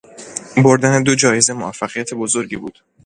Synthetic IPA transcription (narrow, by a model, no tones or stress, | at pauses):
bo̞ɾd̪æne̞d̪o̞d͡ʒɒːje̞ze̞moæfːæɣijæt̪ʰe̞bo̞zo̞ɾɟibṵːd̪̥